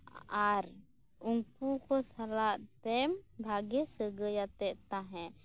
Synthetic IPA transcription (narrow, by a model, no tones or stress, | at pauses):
aɾ | uŋkukɔsaɾaʔt̪ɛmbʱaɡɛsəɡəjat̪ɛʔt̪aɦɛ̃